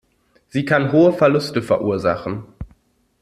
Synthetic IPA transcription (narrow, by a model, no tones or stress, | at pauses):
z̥iːkʰanɦoːəfɛɐlʊstəfɛɐʔuːɐza̰χn̩